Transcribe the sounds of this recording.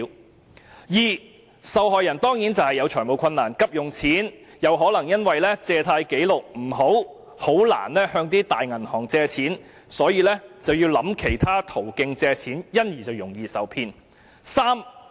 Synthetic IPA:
jiː˨˩ | sɐ˨wɦɔː˨jɐ˨˩nt̪ɔː˥ŋjiː˨˥nt͡sɐ˨whɐ˨jːɐ˨˧wt͡ʃʰœː˨˩jmo˨wkʷʰɐ˧nːaː˨˩nkɐ˥p̚jʊ˨˩ŋt͡sʰiː˨˥njɐ˨˧wɦɔː˨˥lɐ˨˩ŋjɐ˥nwɐ˨jlɛː˥t͡sɛː˧t̪ʰaː˧jke˨˥jlʊ˨k̚m̩˨˩ɦo˨˥w | ho˨˥wla̰ː˨˩nlɛː˥hœː˧ŋt̪iː˥t̪aː˨jŋɐ˨˩nhɔː˨˩ŋt͡sɛː˧t͡sʰiː˨˥n | sɔː˨˥jiː˧lɛː˥t͡sɐ˨wjiː˧wlɐ˨˧˥mkʰe˨˩jt̪ʰaː˥t̪ʰo˨˩wkɪ˧ŋt͡sɛː˧t͡sʰiː˨˥njɐ˥njiː˨˩t͡sɐ˨wjʊ˨˩ŋjiː˨˧sɐ˨wpʰiː˧n | saː˥m

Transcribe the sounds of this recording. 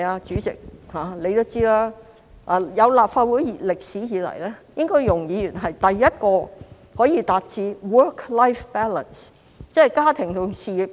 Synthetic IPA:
aː˧t͡ʃyː˨˥t͡sɪ̰˨k̚haː˨le˨˧jt̪o˥wt͡siː˥laː˥ | ʔaː˨˧jɐ˨˧wlaː˨p̚faː˧t̚wuː˨˥ji˨lɪ˨k̚siː˨˥jiː˨˧lɐ̰˨˩jlɛː˥jɪ˥ŋkɔː˥jjʊ˨˩ŋjiː˨˧jyː˨˩nɦɐ˨jt̪ɐ˨jːɐ˥t̚kɔː˧ | hɔː˨˥jiː˧t̪aː˨˧t̚t͡siː˧wɜː˥kʰla˥jfpɛː˥lə̰˨˩ns | t͡sɛː˥˨˩jkaː˥t̪ʰɪ˨˩ŋt̪ʊ˨ŋsiː˧i˨p̚

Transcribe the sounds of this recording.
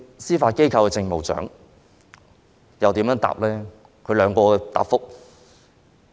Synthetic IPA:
siː˥faː˧t̚ke˥jkʰɐ˧wkɛ˧t͡sɪ˧ŋmo˨˩wt͡ʃœ̰ː˨˥ŋ | jɐ˨wt̪i˨˥mjœː˨˥ŋt̪a̰ː˨p̚lɛː˥ | kʰɵ˨˧ɥlœː˨˧ŋkɔː˧t̪a̰ː˨pfʊ˥k̚

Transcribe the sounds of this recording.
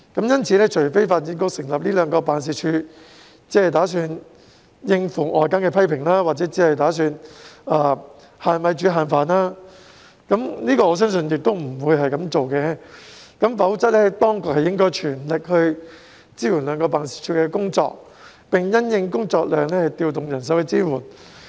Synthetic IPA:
kɐ˨˥mjɐ˥nt͡sʰiː˨˧lɛː˥t͡ʃʰɵ˨˩ɥfe˥jfaː˧t̚t͡siː˧˥kʊ˥k̚sɪ˨˩ŋlɐ˨p̚liː˥lœː˨˧ŋkɔː˧paː˨ns̬iː˨˩t͡ʃʰyː˧ | t͡sɛː˨˧˥hɐ˨˩t̪aː˨˥syː˧n | jɪ˧ŋfʊ˨˩ŋʔɔː˨˩jkaː˥nkɛː˧pʰɐ˥jpʰɪ˨˩ŋlaː˥waː˨t̚t͡sɛː˨˥t͡siː˨˥hɐ˨jt̪aː˨˥s̬yː˧naː˨˧ | haː˨nwɐ˨˧jt͡ʃyː˨˥ɦaː˨˩nfaː˨˧naː˥ | kɐ˨˥mniː˥kɔː˧ɔː˨˧s̬œː˥ŋs̬ɵ˧njɪ˨k̚t̪o˥wm̩˨˩wuː˨˧jɦɐ˨jkɐ˨˧˥mt͡so˨wkɛː˧kɐ˨˥mfɐ˨˥wt͡sɐ˥t̚lɛː˥t̪ɔː˥ŋkʊ˨k̚hɐ˨jɪ˥ŋkɔː˥jt͡ʃʰyː˨˩nlɪ˨k̚hɵ˧ɥ | t͡siː˥wuː˨˩nlœː˨˧ŋkɔː˧paː˨˧nsi̥ː˨˩t͡ʃʰyː˧kɛː˧kʊ˥ŋt͡sɔ̰ː˧k̚ | pɪ˨ŋjɐ˥njɪ˧ŋkʊ˥ŋt͡sɔː˧k̚lœː˨ŋlɛː˥hɐ˨˩jt̪iː˧wt̪ʊ˨ŋjɐ˨˩ns̬ɐ˨˥wkɛ˨˧t͡siː˥muː˨˩n

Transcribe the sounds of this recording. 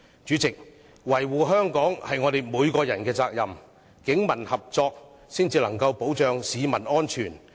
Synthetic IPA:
t͡ʃyː˨˥t͡sɪ˨k̚ | wɐ˨˩jwuː˨ɦœː˥ŋkɔː˨˥ŋhɐ˨jŋɔː˨˧ɾe˨˧jmuː˨˧jkɔː˧jɐ˨˩nkɛː˧t͡saː˧k̚jɐ˨˩m | kɪ˨˥ŋmɐ˨˩nhɐ˨p̚t͡sɔː˧k̚ | siː˥nt͡siː˧lɐ˨˩ŋkɐ˧wpo˨˥wt͡ʃœː˨ŋsiː˨˧mɐ˨˩nɔː˥nt͡ʃʰyː˨˩n

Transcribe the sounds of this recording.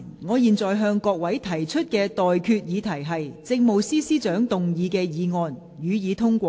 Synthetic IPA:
ŋɔː˨˧jiː˨nt͡sɔː˨jɦœː˧ŋkɔː˧k̚wɐ˨˥jt̪ʰɐ˨˩jt͡ʃʰɵ˥t̚kɛː˧t̪ɔː˨jkʰyː˧t̚jiː˨˧t̪ʰɐ˨˩jɦɐ˨jt͡sɪ˧k̚mo˨wsiː˥siː˥t͡ʃœː˨˥ŋt̪ʊ˨ŋjiː˨˧kɛː˧jiː˨˧ŋɔː˨˧n | jyː˨˧jiː˨˧t̪ʰʊ˥ŋkʷɔː˧

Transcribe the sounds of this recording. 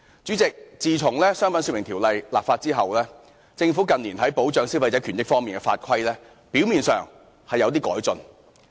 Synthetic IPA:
t͡syː˨˥t͡sɪ˨k̚t͡siː˨t͡sʰʊ˨˩ŋlɛː˥sœː˥ŋfɐ˨˥nsy˧˥mɪ˨˩ŋt̪ʰiː˨˩wlɐ˨jlaː˨p̚faː˧t̚t͡siː˥ɦɐ˨wlɛː˥ | t͡sɪ˧ŋfu˨˥kɐ˨nliː˨˩nɦɐ˨˥jpo˨˥wt͡ʃœː˨˥ŋsi˥wfɐ˧jt͡sɛː˨˥kʰyː˨˩njɪ˥kfɔː˥ŋmiː˨nkɛ˧fa̰ː˧t̚kʰɐ˥jlɛː˥ | pi˨˥wmiː˨nsœ̰ː˨ŋ | hɐ˨jːɐ˨˧wt̪̬iː˥kɔː˨˥jt͡sɵ˨n

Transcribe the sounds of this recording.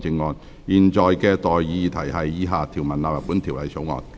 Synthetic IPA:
t͡sɪ˧ŋːɔː˨˧n | jiː˨nt͡ʃɔː˨jkɛː˧t̪ɔː˨ji˧t̪ʰɐ˨˩jhɐ˨jːiː˨˧ɦaː˨t̪ʰi˨˩wmɐ˨˩nlaː˧pjɐ˨puː˨˥nt̪ʰiː˨˩wlɐ˨˧jso˨˥wŋɔ̰ː˨˩n

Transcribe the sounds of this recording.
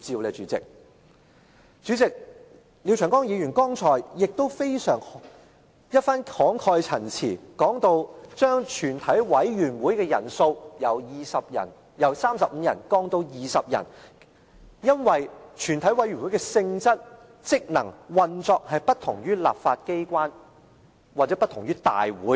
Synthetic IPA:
t͡siː˧wlɛː˨˧t͡ʃy̰ː˨˥t͡sɪ̰˨k̚ | t͡ʃyː˨˥t͡sɪ˨k̚ | liː˨˧wt͡ʃʰœː˨˩ŋkɔː˥ŋjiː˨˧jyː˨˩nkɔː˥ŋt͡sʰɔː˨˩jjɪ˨k̚t̪o˥wfe˥jsœː˨˩ŋ | jɐ˥t̚faː˥nkʰɔː˨˥ŋkʰɔː˧jt͡sʰɐ˨˩nt͡sʰḭː˨˩kɔː˨˥ŋt̪o˧wt͡ʃœː˥ŋt͡ʃʰyː˨˩nt̪ʰɐ˨˥jwɐ˨˥jɥyː˨˩nwuː˨˥jkɛː˧jɐ̰˨˩nso˧wjɐ˨˧wjiː˨˧sɐ˨p̚jɐ̰˨˩n | jɐ˨˧wsaː˥msɐ˨p̚m̩˨˧jɐ̰˨˩nkɔː˥ŋt̪o˨˧wjiː˨sɐ˨p̚jɐ̰˨˩n | jɐ˥nwɐ˨jt͡ʃʰyː˨˩nt̪ʰɐ˨˥jwɐ˨˥jy˨˩nwu˨˥jkɛ˧sɪ˧ŋt͡sɐ˥t̚ | t͡sɪ˥k̚nɐ̰˨˩ŋwɐ˨nt͡sɔː˧k̚hɐ˨jpɐ˥t̚t̪ʰʊ˨˩ŋjyː˥la̰ː˨p̚faː˧t̚ke˥jkʷwaː˥n | waː˨t̚t͡sɛː˨˥pɐ˥t̪ʰʊ˨˩ŋɥyː˥t̪a̰ː˨jwṵː˨˥j

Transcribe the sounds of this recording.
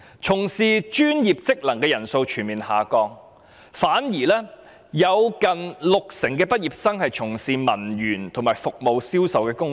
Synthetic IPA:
t͡sʰʊ˨˩ŋsiː˨˧t͡ʃyː˥njiː˨˩p̚t͡sɪ˥k̚lɐ˨˩ŋkɛː˧jɐ˨˩nso˧wt͡ʃʰyː˨˩nmiː˨nha̰ː˨˩kɔː˧ŋ | faː˨˥njiː˨˩lɛː˥ | jɐ˨˧wkɐ˨nlʊ˨k̚sɪ˨˩ŋkɛː˧pɐ˥t̚jiː˨p̚sɐ˥ŋhɐ˨jt͡sʰʊ˨˩ŋsiː˨mɐ˨˩njyː˨˩nt̪ʰʊ˨˩ŋmaː˨˩jfʊ˨k̚mo˨˧wsiː˥wsɐ˨wkɛː˧kʊ˥ŋ

